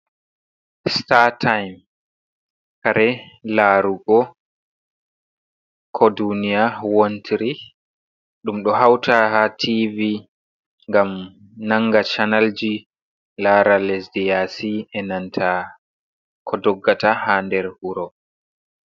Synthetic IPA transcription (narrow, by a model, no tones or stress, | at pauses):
statʰajm | kaɾʔɛlaɾuɡɔ | kʰɔdunijawontʰiɾi | ɗumɗɔɦawtʰaɦatʰivi | ŋɡam | naŋːɡat͡ʃanald͡ʒi | laɾalɛsdijasiɛnantʰa | kʰɔdɔɡːatahandɛɾhuɾɔ